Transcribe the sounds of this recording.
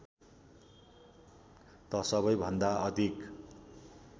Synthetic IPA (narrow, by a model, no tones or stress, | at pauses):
t̪ʌsʌβʌjbʱʌnd̪aʔʌd̪ʱik